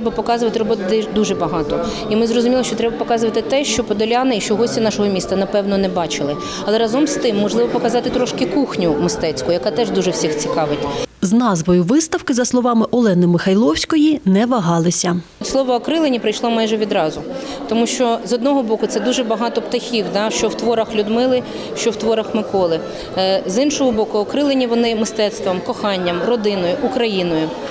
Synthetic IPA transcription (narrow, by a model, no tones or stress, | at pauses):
t̪ɾɛbɐpɔkɑzʊʋɐt̪ɪɾɔbɔt̪ʊd̪ɛd̪uʒɛbɐɦɑt̪ɔ | imɪzrɔzʊmʲilˠɔʃt͡ʃɔt̪ɾɛbɐpɔkɑzʊʋɐt̪ɪt̪ɛʃt͡ʃɔpɔd̪ɔlʲɑnɪiʃt͡ʃɔɦɔsʲtʲinɑʃɔɦɔmʲist̪ɐnɐpɛwnɔnɛbɑt͡ʃɪlˠɪ | ɐlˠɛɾɐzɔmst̪ɪmːɔʒlˠɪʋɔpɔkɐzɑt̪ɪt̪ɾɔʃkɪkuxnʲʊmɪst̪ɛt͡sʲkʊjɐkɑt̪ɛʒd̪uʒɛwsʲixt͡sʲikɑʋɪtʲznɑzʋɔjʊʋɪst̪ɐwkɪzɐslˠɔʋɑmɪʔɔlˠɛnɪmɪxɐjlˠɔwsʲkɔjinɛʋɐɦɑlˠɪsʲɐt̪ʲslˠɔʋɔːkɾɪlˠenʲipɾɪjʃlˠɔmɑjʒɛʋʲid̪ɾɑzʊ | t̪ɔmuʃt͡ʃɔzɔd̪nɔɦɔbɔkʊt̪sɛd̪uʒɛbɐɦɑt̪ɔpt̪ɐxʲiwd̪ɑʃt͡ʃɔwt̪ʋɔɾɐxlʲʊd̪mɪlˠɪ | ʃt͡ʃɔwt̪ʋɔɾɐxmɪkɔlˠɪ | zɪnʃɔɦɔbɔkʊɔkɾɪlˠenʲiʋɔnɪmɪst̪ɛt̪st̪ʋɔmkɔxɑnʲːɐmrɔd̪ɪnɔjʊʔʊkɾɐjinɔjʊ